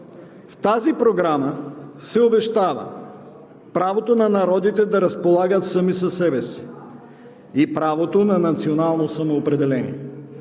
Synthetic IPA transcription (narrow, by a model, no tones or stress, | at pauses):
ft̪azipɾoɡɾaməsɛobɛʃt̪avə̰ | pɾavot̪onɐnɐɾɔd̪it̪ɛd̪ɐɾɐspolˠaɡət̪səmisɐsɛbɛsi̥ | ipɾavot̪onɐnɐt̪sionalˠnosɐmoːpɾɛd̪ɛlɛnʲḭɛ